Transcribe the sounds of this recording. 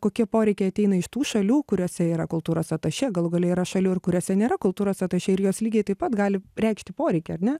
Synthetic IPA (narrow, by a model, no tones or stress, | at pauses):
koːkʲiɛpoːɾʲɛɪkʲɛɪɐtʲɛɪnɐɪʃt̪uːʃɐlʲuːkʊɾʲoɔsʲɛiːɾɐkʊlˠt̪uːɾoːsɐt̪ɐʃʲɛɡɐlˠʊɡɐːlʲɛiːɾɐʃɐlʲuːɪrkʊɾʲoːsʲɛnʲeːɾɐkʊlˠt̪uːɾoːsɐt̪ɐʃʲɛɪɾjoːslʲiːɡʲeɪt̪ɐɪpɐt̪ɡɑːlʲɪrʲɛɪkʃt̪ʲɪpoːɾʲɛɪkʲɛɐrnʲɛ